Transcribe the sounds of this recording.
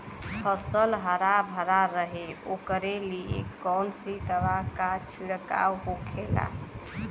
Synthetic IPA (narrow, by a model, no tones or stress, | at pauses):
pʰəsəlɦəɾabʱəɾaɾəɦeokəɾeliḛkːɔwnsit̪əbakat͡ʃʰiɽka̰wɦokʰela̰